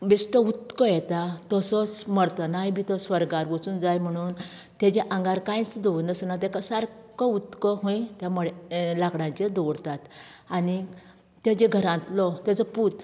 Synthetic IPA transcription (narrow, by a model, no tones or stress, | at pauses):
bist̪ɔut̪kɔjɛt̪at̪ɔsɔsməɽt̪anaɦjbit̪ɔsʋəɾɡaɾʋut͡suːnd͡zajm̤əɽ̃uːn | t̪ed͡ʑeʔãŋɡaɾkãjt͡sd̪ɔnd̪əsənat̪ɛkasaɾkɔut̪kɔɦõjt̪jamɔɭelakɽãt͡ɕed̪ɔɽt̪at̪ani | t̪ed͡ʑeɡʱəɾãt̪lɔt̪at͡səput̪